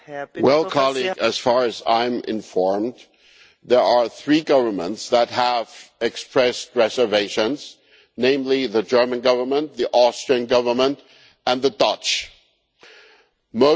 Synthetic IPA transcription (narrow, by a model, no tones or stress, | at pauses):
wɛlˠkʰɑlˠiɡɨz̥fɑɹɨzã̰ɪ̃mɪ̰̃nfɔɹm | ðə˞ə˞θɹiɡʌvə˞mə̰̃ntsðət̚ɦəvɛkspɹɛst̚ɹɛzə˞veɪʃɨ̃nz̥ | nẽɪ̃mliðɨd͡ʒɜ˞mɨ̃nɡʌvə˞mə̃nt̪ðiʔɔstɹ̥iə̃nɡʌvə˞mə̃nt | ɨ̃nðədʌt͡ʃ | moʊ